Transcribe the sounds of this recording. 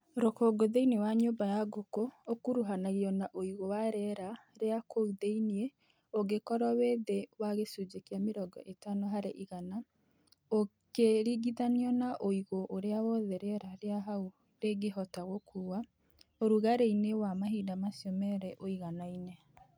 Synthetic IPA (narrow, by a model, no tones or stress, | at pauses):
ɾokɔɡoðeinewaɲoːbajaɡokookuɾuɦanaɣiɔnaʔoiɣowaɾɛɾaɾeakʰouðeinie | oɡekɔɾɔweːðewaɣesud͡ʒekiameɾɔɡɔ̰ʔetanoɦaɾeʔiɣana | o | keɾiɡiðaniɔnaʔoiɣoʔoɾeawɔðɛɾɛɾaɾeaɦau | ɾeɡeɦɔtaɣokʰuwa | oɾuɣaɾeinewamaɦiːdamasijɔmɛɾɛʔoiɣanaine